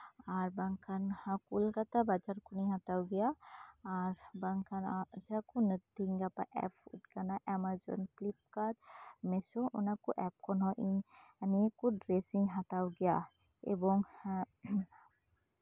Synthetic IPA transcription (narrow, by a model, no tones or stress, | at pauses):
aɾbaŋkʰanhakulkat̪abad͡ʒaɾkʰuniɦãt̪awɡɛjaaɾbaŋkʰanad͡ʒakunəd̪iŋɡapa̰ʔɛ̰fʰṵʈɡanaʔɛmazɔ̰nklip̚kaɾmesɔʔṵnakuʔɛp̚kɔnɔʔinanikuɖɾesiŋɦat̪awɡɛja | ḛbɔŋ